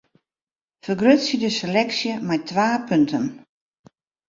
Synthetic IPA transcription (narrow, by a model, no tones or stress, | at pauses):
fərɡrøtsjədəselɛksjəmajtʰʋaːpʰøntʰən